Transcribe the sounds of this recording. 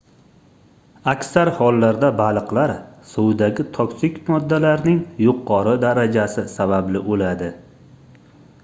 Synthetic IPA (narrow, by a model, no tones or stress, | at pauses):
akʲsaɾhɒlːaɾd̪abalˠɨqlaɾsowd̪aɡʲɪt̪ʰɒkʲsɪkʲmɒd̪ːalaɾnɪŋjʊqʰːɒɾɨd̪aɾad͡ʒasɪsabablɪʔolad̪ɪ